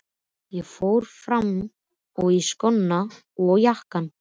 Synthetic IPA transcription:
jɛɣfoːwɾ̥fɾam | ɔɣiskɔnːa | ɔjahkan

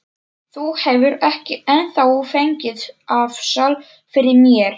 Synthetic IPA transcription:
θuhɛvʏɾɛhcɪɛnθawufejɲcɪðafsal | fɪɾɪɾmjɛɾ̥

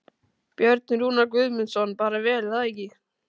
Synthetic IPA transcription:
pjœɾt̪̚nɾuːnakvʏðmʏnsɔnpaːɾavɛːlaðɛci

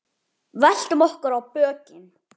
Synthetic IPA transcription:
vɛl̥t̪ʏmɔhkʏɾawpœːcɪn

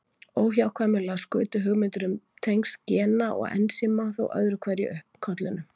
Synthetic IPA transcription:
oːwɦjawkʰvaːmɪlaskʏːt̪ʏɦʏɣmɪnt̪ʏɾʏmt̪ʰejŋkscɛːnaʔɔ̰ɣɛ̰nsɪmaθo̰wʔœ̰ðɾʏkʰvɛɾjɪ̰ʔʏhpkʰɔt̪lʏnːʏ

